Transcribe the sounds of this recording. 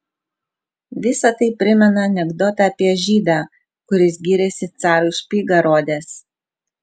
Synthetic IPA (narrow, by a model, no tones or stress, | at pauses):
ʋʲɪsɐt̪ɐɪpʲɾʲɪmʲɛnɐɐnʲɛɡd̪ɔt̪ɐɐpʲiɛʒʲiːd̪ɑː | kʊɾʲɪsɡʲiːɾʲɛsʲɪt̪sɑːɾʊʃʲpʲiːɡɐɾoːd̪ʲɛs